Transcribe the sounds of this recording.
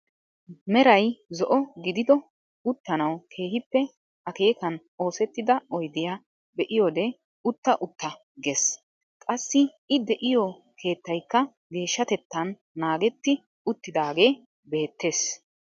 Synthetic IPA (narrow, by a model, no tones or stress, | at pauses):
mɛɾɐjzɔʔɔɡɪd̪ɪd̪ɔ | ʊt̪ːɐnɐwkʰe̞ːhɪpːɛ | ɐke̞ːkɐn | o̞ːsɛt̪ːɪd̪ɐɔjd̪ɪjaː | bɛʔɪjoːd̪ɛ | ʊt̪ːɐʔʊt̪ːɐ | ɡes | kʼɐsːɪ | ɪd̪ɛʔɪjɔ | kʰe̞ːt̪ːɐjkːɐ | ɡe̞ːʃːɐt̪ɛt̪ːɐnː | aːɡɛt̪ːɪ | ʊt̪ːɪd̪aːɡe̞ː | be̞ːt̪ːe̞ːs